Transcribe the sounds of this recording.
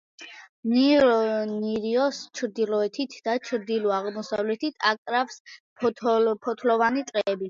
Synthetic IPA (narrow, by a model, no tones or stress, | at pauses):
niɾɔniɾiɔst͡ʃʰɾd̪ilɔɛt̪ʰit̪ʰd̪at͡ʃʰɾd̪ilɔaʁmɔsavlɛt̪ʰit̪ʰakʼɾafspʰpʰɔt̪ʰlɔvanit̪sʼqʼɛːbi